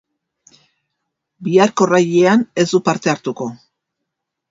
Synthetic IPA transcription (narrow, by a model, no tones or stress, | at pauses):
biaɾko̞raje̞ane̞zd̪upaɾt̪e̞aɾt̪uko̞